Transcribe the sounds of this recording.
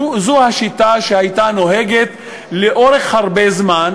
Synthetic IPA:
zuhaʃit̪aʃehajt̪anoɦeɡet̪ | leʔo̞ʁe̞χhaʁbezman

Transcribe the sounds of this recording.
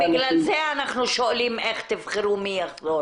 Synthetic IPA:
biɡlalzeanaχnuʃoalimeχt̪ivχeɾumiaχzo

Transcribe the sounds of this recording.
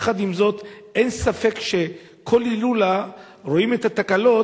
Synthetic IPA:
χad̪imzo̞t̪ʔe̞nsafe̞kʃe̞ | kʰo̞lilula | ʁoimethat̪akalo̞

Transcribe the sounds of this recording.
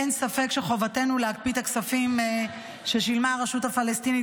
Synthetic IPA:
ensafe̞kʃeχo̞vate̞nuleak̚pit̪aksafim | ʃe̞ʃilmaʁeʃutafalest̪ini

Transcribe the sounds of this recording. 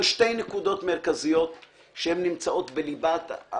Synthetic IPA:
ʃte̞jnekud̪o̞tme̞ʁkazijo̞t̪ | ʃehemnimt͡saʔo̞tbelibat̪a̰

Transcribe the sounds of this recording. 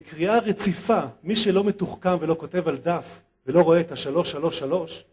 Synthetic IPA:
kʁiaʁe̞t͡sifamiʃelo̞metuχkamve̞lo̞ko̞te̞vald̪af | velo̞ʁo̞eːt̪aʃalo̞ʃalo̞ʃalo̞ʃ

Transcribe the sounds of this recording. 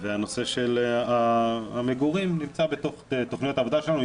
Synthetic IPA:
veano̞se̞ʃelaameɡuʁimnimt͡sabet̪o̞χt̪o̞χnijot̪avo̞d̪aʃelanu

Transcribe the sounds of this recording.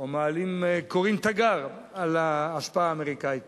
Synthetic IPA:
omaːlimkoʁimt̪aɡaʁ | alaːʃpaaːmeʁikait̪

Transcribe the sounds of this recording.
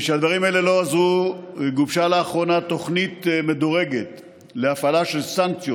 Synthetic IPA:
ʃead̪vaʁimaele̞lo̞azʁueɡuvʃalaːχʁo̞nat̪o̞χnit̪me̞d̪oʁe̞ɡet̪ | leafalaʃelsaŋk̚t͡sjo

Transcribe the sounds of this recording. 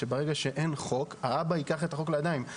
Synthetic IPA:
ebaʁe̞ɡaʃe̞ʔe̞nχo̞kaabaikaχe̞t̪aχo̞klejad̪aim

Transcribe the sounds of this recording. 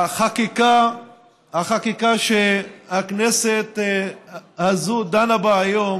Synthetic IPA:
χakika | haχakikaʃehakneset̪ | hazud̪anabaːjom

